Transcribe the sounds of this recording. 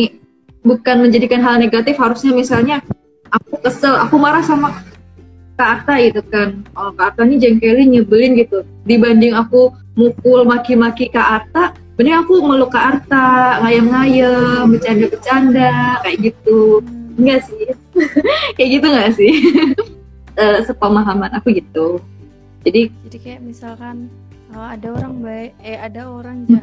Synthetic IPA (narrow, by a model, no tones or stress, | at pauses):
ni | bukanməɲd͡ʒadikanɦalneɡat̪ɪfhaɾusɲamisalɲa | ʔak̚ukəsəla̰kumaɾahsama | kaʔːrt̪aɡit̪ukanəkaːrt̪anid͡ʒɛŋkelɪɲəbəlɪnɡit̪u | dibandɪŋaku | mukʊlmakimakikaʔːrt̪a | bənəŋakuməlukaːrt̪aŋajamŋajəbət͡ʃandabət͡ʃandakajaʔɡit̪uŋɡaʔsɪh | kajaʔɡit̪uŋɡaʔsɪh | əsəpəmaɦamanakuɡit̪u | d͡ʒadiian | ad